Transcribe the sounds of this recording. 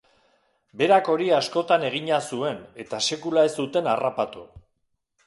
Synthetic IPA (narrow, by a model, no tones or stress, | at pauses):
be̞ɾako̞ɾiasko̞t̪ane̞ɣ̞iɲasue̞ne̞t̪ase̞kulae̞sd̪ut̪e̞narapat̪u